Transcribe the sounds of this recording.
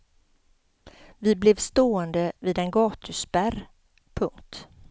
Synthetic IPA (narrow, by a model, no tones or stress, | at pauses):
vɪblɛvst̪oːɛnd̪əvɪd̪ɛnɡɑːt̪ʰɵsbæɾ | pʰɵŋkt̪